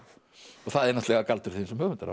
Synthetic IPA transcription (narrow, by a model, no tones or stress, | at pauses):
ɔɣθaðɛɾnast̪lɛɣakalt̪ʏɾ̥θinsɛmhœːɣvʏnt̪aɾa̰